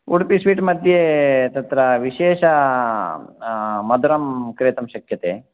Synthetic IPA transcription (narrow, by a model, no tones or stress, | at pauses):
uɽpisʋiːʈmɐd̪ʱjet̪ɐt̪ɾɐʋiʃeːʃɐ | mɐd̪uɾɐmkɾeːt̪ɐmʃɐkʰjɐt̪eː